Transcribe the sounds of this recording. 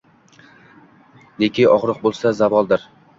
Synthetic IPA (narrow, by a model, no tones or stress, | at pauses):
nekʲʰɪɒʁɾɨq̚bolˠsazavɒlˠd̪ɪɾ